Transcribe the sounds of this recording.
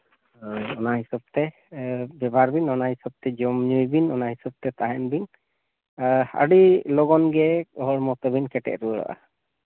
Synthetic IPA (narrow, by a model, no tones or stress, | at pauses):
ɔnaɦisɔb̚t̪ɛ | bɛbʱaɾbinɔnaɦisɔb̚t̪ɛd͡ʒɔmɲujbinɔnaɦisɔb̚t̪ɛt̪aɦɛnbin | a̰ɽilɔɡɔnɡɛɔɦɔɽmɔt̪ɔbinkɛʈɛ̰ʔ̚ɾuəɭɔ̰ʔa̰